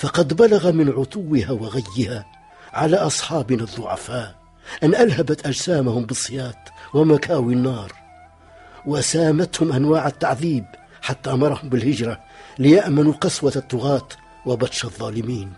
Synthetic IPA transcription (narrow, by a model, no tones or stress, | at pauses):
fɑqɑd̪balaɣamɪnʕʊt̪ˤuwːɪhawaɣajːɪha | ʕalaːʔɑsˤħɑːbɪnaðˤːʊʕa̰faːʔ | ʔanːʔalhabat̪ʔad͡ʒsaːmahʊmbɨsˤːɨjɑːt̪wamakaːwinːɑːɾˤ | wasaːmat̪hʊmʔanwaːʕat̪ːaʕðiːb | ħat̪ːaʔɑmɑɾˤɑhʊmbɪlhɪd͡ʒɾˤa | lɪjaʔmanuqɑswat̪ˤːʊɣɑːt̪ | wabat̪ʃɑðˤːɑːlɪmiːn